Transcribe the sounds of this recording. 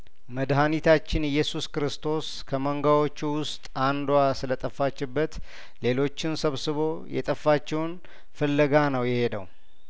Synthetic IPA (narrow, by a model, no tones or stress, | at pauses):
məd̪ɦanit̪ʰat͡ʃːɪnɨjːɛsuskɾɨst̪ʰo̞s | kʰəməŋɡawo̞t͡ʃːuwʊst̪ʼand̪wasɨlət̪ʼəfːat͡ʃːɪbːət̪ | le̞lo̞t͡ʃːɪnsəβsɨβo̞jɛ̰t̪ʼəfːat͡ʃːɛwn | fəlːəɡanəwjɛhe̞d̪əw